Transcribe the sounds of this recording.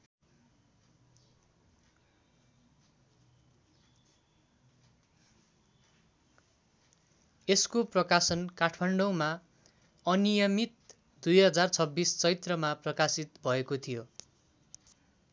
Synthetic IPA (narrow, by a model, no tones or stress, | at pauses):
eskoprʌkasʌnkaʈʰmaɳɖʌwma | ʌnijʌmit̪̚ | d̪̥ujɦʌd͡zart͡sʰʌbːist͡sʌjt̪rʌmaprʌkasit̪bʱʌekot̪ʰijo